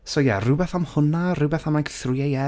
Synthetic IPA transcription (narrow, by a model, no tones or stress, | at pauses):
soja̰rʊbɛθamhʊnarʊwbɛθamakθrʊjajɛ